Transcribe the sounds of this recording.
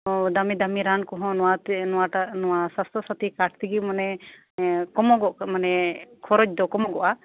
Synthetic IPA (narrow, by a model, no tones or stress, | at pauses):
d̪amid̪amiɾankɔɦɔ̃nɔwat̪nɔwaʈanɔwasast̪ɔsat̪ikaʈ̚ʰt̪iɡimɔnɛ | kɔmɔɡɔʔmanɛkʰɔɾɔd͡ʒd̪ɔkɔmɔɡɔʔa